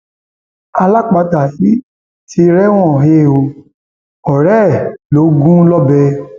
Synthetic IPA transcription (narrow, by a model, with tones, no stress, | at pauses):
a˧la˦k͡pa˧ta˨ji˨˦ | ti˧˦ɾɛ˦w̃ɔ̃˦˨ɦe˦˨o˧ | ɔ˨ɾɛ˦˨lo˨˦ɡũ˦lɔ˦bɛ˧